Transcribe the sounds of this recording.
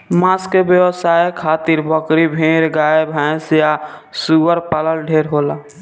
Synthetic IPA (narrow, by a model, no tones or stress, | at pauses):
maskbjəwəsaːjkʰaːt̪iɾbəkɾibʱẽːɾɡaːebʱɛ̃sjasuʋəɾpaləlɖʱeːɾɦoːlaː